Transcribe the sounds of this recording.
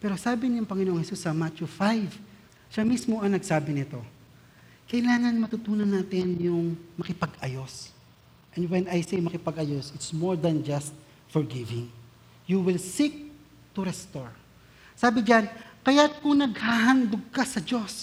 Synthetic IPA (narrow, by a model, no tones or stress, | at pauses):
pɛɾo̞saːbɪnɪjʊŋpɐŋɪnoʔoŋhɛsusːɐmat͡ʃufajv | ʃamismo̞ʔɐŋnɐɡsaːbɪnɪt̪o̞ | kɐʔɪlaːŋɐnmɐt̪ʊt̪uːnɐnːaːt̪ɪnjʊŋmɐkɪpɐɡʔɐjo̞s | ʔɛ̃nd̪wɛnɐjsejmɐkɪpɐɡɐjosɪt̪smoɹd̪ɐnd͡ʒɐst̪̚ | fɔɹɡɪvɪ̃ŋ | juwɪlsik̚ | t̪ʊɾɛst̪oɹ | saːbɪd͡ʒankɐjat̪̚kʊŋnɐɡ̚haɦand̪oɡ̚kasɐd͡ʒos